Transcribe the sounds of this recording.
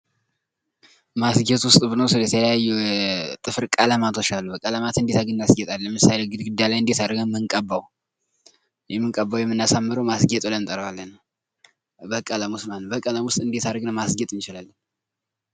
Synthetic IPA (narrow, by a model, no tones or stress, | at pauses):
masɡɛt̪wʊst̪ʼbɨnəwsɨlət̪ʰələjajːut̪ʼɨfɾkʼələmat̪ʰo̞t͡ʃːalːubəkʼələmat̪ɨnd̪et̪aɡɨnːasɡɛt̪ʼalːəmɨsaleɡɨd̪ɡɨd̪ːalajɨnd̪et̪aɾɡəmɨŋkʼəbːaw | jɛmːɨŋkʼəbːawjɛmːɨnːasamːɨɾəwmasɡɛt̪ʼlənt̪ʼəɾəwalːənw | bəkʼələmusmanːəbəkʼələmwʊst̪ʼɨnd̪et̪aɾəɡnəmasɡɛt̪ʼɨnt͡ʃɪlalːən